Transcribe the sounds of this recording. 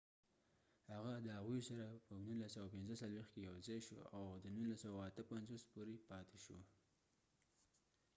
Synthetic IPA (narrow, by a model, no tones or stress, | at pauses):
haɣad̪əɦaɣujsaɾapənunlːasawapɪnzəsalwext̪kejawzɑjʃoawd̪ənunlasawaat̪əpanzospoɾepɑt̪eʃo